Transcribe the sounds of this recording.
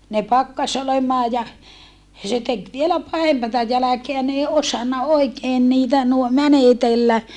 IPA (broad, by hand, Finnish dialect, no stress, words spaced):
ne pɑkːɑs olemɑː jɑ se tek ʋielæ pɑhempɑtɑ jælækeæ n ei osɑnːɑ oikeːn niːtæ nuo mænetelːæ